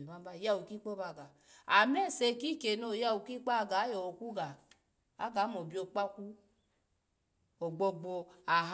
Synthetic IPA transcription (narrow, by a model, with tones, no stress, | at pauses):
ba˦m˦ba˦˨ja˦wu˨ki˦k͡po˦ba˧˨ɡa˨ | a˨mɛ˦˨se˧ki˦ke˨no˦˨ja˦wu˨ki˦k͡pa˦˨ɡa˨˦jɔ˨wo˨ku˦ɡa˨ | a̰˦ɡa˨˦mo˨bi˦o˨k͡pa˦ku˦ | o˨ɡ͡bo˧ɡ͡bo˧a˨ɦ